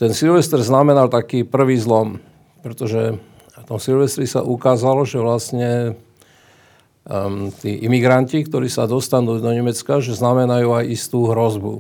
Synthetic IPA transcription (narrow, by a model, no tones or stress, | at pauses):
t̪ɛnsilʋɛst̪ɛɾznamɛnalt̪akiːpr̩ʋiːzlɔm | pɾɛt̪ɔʒɛ | t̪ɔmsilʋɛst̪ɾisa̰ʔukaːzalɔʒɛʋlasɲɛ | t̪ḭːʔimiɡɾancikt̪ɔɾiːsad̪ɔst̪anuːd̪ɔɲɛmɛt͡skaʒɛznamɛnajuːajist̪uːɦɾɔzbṵ